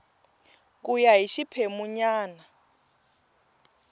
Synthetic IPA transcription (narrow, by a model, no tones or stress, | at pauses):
k̬ʼujaɦiʃipʰemuɲaːna